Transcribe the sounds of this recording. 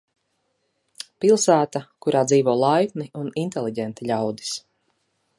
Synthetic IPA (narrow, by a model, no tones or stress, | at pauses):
pilˠsæːt̪akuɾaːd̪ziːvɔːlˠajkniunint̪ɛlˠiɟɛnt̪iʎʲawd̪i̥s